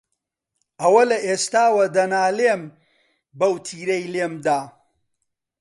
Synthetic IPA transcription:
ɐwɐlɐʔeːst̪aːwɐd̪ɐnaːleːm | bɐwt̪ʰiːɾɐjleːmd̪aː

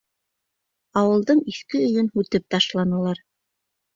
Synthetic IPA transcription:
ɑwɤ̆lˠd̪ɤɴiθkɘɵ̆jɵnhʉt̪ɘp̚t̪ɑʃlˠɑnɤ̆lˠɑɾ

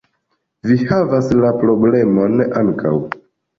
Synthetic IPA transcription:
vihavaslapɾo̞ble̞mo̞nʔaŋkʰa̰w

